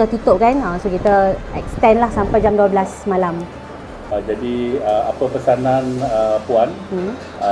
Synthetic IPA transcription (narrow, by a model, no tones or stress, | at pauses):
at̪ut̪ɔʔ̚kanasokit̪əɛ̰kst̪ɛnlahsampajd͡ʒamduablasmalam | d͡ʒadiəa̰pəpəsanãnəpuan̩